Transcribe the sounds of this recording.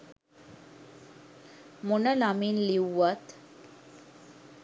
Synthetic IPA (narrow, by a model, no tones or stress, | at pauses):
monəlaminliwːat̪